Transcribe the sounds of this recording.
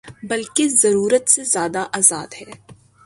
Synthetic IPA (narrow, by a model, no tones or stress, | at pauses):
bɐlkezɐɾuːɾət̪sezjaːd̪aʔaːzaːd̪ɦɛː